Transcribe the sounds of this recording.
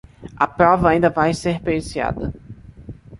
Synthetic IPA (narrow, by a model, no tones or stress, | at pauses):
ɐpɾɔvɐaĩnd̪ɐvajseɾpeɾisia̰d̪ɐ